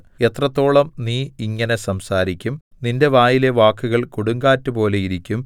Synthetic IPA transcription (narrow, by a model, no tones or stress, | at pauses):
e̞t̪rɐt̪ːo̞ːɭɐmniːiŋːɐne̞sɐmsaːɾikʲːum | ninde̞ʋaːjile̞ʋaːkːuɣɐɭkuɽuŋɡaːtːɨpo̞ːle̞jiɾikʲːum